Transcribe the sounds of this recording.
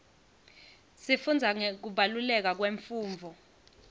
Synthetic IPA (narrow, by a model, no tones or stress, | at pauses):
sifund͡zʱaŋek̬uɓalulɛk̬ak̬weɱfuːɱvʱɔ